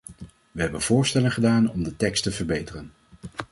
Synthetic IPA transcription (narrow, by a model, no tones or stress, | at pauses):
ʋəɦɛbənv̥ʊːɹstɛləŋχədaːnɔmdətɛkstəvəɹbejtərən